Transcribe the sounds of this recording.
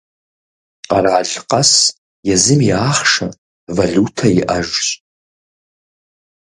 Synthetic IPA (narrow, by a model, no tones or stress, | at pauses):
araːɮqʼas | jazɨmiaːχʂa | vaɮutʰajɪʔɐʒɕʼ